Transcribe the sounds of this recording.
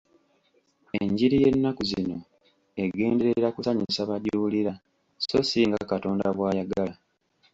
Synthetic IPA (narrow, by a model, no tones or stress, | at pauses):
eɲɟiɾije̞nːakuzino̞ | e̞ɡe̞ːnde̞ɾeɾakusaɲisaβadjuuliɾa | so̞siŋɡakato̞ːndaβwaːjaɡala